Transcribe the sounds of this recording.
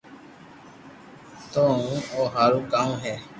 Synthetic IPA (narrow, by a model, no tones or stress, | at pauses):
t̪oːũːoːɦaːɾũːkaːũɦɛː